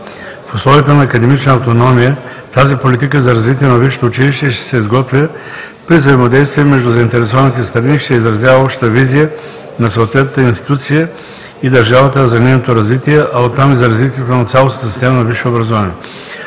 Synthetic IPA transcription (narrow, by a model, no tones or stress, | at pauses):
fʊslˠɔvijət̪ənɐːkɐd̪ɛmit͡ʃnəːft̪onɔmijə | t̪azipolit̪ikəzɐɾɐzvit̪̬iɛnɐviʃo̥t̪oːt͡ʃiliʃt̪ɛʃt̪ɛ̥sɛizɡɔt̪vʲə | pɾizɐimɐd̪ɛjst̪viɛmɛʒd̪ʊzɐint̪ɛɾɛsɔvənit̪ɛst̪ɾɐniʃt̪ɛizɾɐzjavəɔpʃt̪t̪əvizijə | nɐsoːt̪vɛt̪nət̪əinst̪i̥t̪ut̪sijə | id̪ɐɾʒavət̪əzɐninot̪oɾɐzvit̪iɛʔɐot̪ːamizɐɾɐzvit̪iɛt̪onɐt̪sʲjalˠosnət̪si̥st̪ɛmɐnɐviʃobɾɐzovanɛ